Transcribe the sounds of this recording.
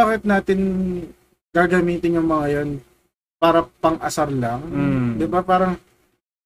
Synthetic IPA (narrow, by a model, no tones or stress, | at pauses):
aːkɪt̪̚naːt̪ɪn | ɡ̥aːɡɐmiːt̪ɪnjʊŋmɐŋajon | paːɾɐpɐŋʔɐsaɾlɐŋd̪ɪbapaːɾɐŋ